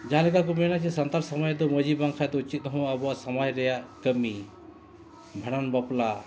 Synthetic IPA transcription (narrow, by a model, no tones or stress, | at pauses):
d͡ʒaãlɛkak̬umɛnat͡ʃɛsant̪aɾsɔmɔjd̪ɔməd͡ʒibaŋkʰajd̪ɔut͡ʃit̪̚ˀnɔɦɔ̃abɔaʔsamajɾɛjaʔkəmi | bʱaɽanbapla